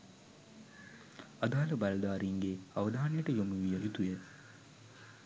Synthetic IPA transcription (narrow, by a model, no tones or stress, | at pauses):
ad̪aːləbalɐd̪aːɾiŋɡeaʋəd̪aːnejəʈəjomuʋijəʔit̪ujə